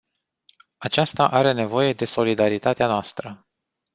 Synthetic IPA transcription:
at͡ʃast̪aʔaɾe̞ne̞vo̞je̞d̪e̞so̞lid̪aɾit̪at̪eanoast̪ɾə

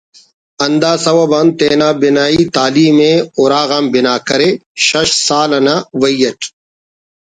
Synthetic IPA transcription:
ɐnd̪aːsɐwɐbɐnt̪eːnaːbinaːiːt̪aːliːmẽʊɾaːɣambɪnaːkɐɾeːʃɐɕsaːlɐnaːwɐjɐʈ

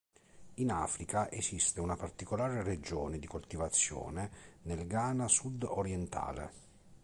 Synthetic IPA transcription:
ina̰ːfɾikaʔesist̪eunapart̪ikolaːɾered͡ʒɔːned̪ikolt̪ivat̪sːjɔ̰ːnenelɡaːnasud̪oɾjɛnt̪ʰa̰ːlḛ

